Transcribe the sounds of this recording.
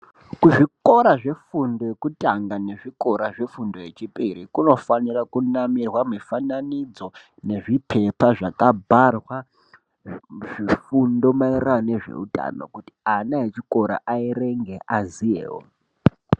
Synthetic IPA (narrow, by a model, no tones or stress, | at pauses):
kuʐiko̞ɾaʐe̞fundo̞jekutaŋɡane̞ʐiko̞ɾaʐe̞fundo̞je̞t͡ʃipʼiɾikuno̞fanirakunamirwamifananid͡zo̞ | ne̞ʐipʰe̞paʐakabʱarwa | ʐifundo̞mairane̞ʐe̞̰utʼa̰no̞̰kuti̥anaet͡ʃiko̞ɾa̰ʔaire̞ŋɡe̞ʔazijḛːwo̰